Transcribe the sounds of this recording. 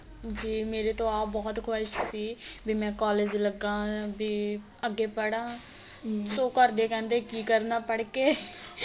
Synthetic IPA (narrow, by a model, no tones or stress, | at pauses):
d͡ʒiːmeːɾeːt̪õːaːbɔːt̪kʰoːʃsiːbiːmɛ̃ːkaːleːd͡ʒləɡãːbiː | əɡːeːpəɽãː | soːkəɾd̪eːkɛ̃ːnd̪eːkiːkəɾnaːpəɽkeː